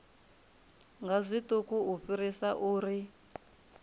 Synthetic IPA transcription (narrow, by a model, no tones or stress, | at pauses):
ŋɡazʷitukuuɸiɾisaʔuːɾi